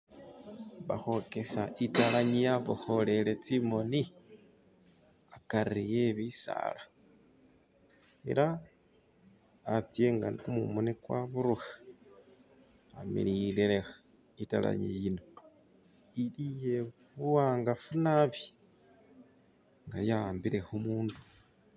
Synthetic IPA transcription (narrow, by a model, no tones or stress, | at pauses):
βaxo̞ke̞saitalaɲijaβuxo̞le̞let͡simo̞ni | akaɾijeβisa̰la | ḛɾa | t͡sieŋɡa̰nikumumunikwa̰βuɾuxḁ | amḭlilelexa | itala̰ɲḭjino̞ | ilije | βuwaːŋɡafunaβji | ŋɡajambiɾe̞xumuːndu̥